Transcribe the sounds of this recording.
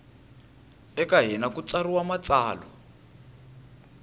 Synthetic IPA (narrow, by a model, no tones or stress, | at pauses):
ɛkaɦɛnakut͡sariwamat͡saːlɔ̰